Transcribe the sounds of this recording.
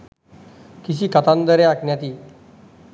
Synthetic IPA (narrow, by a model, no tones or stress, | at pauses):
kis̬iːkat̪and̪əɾeaknjat̪iː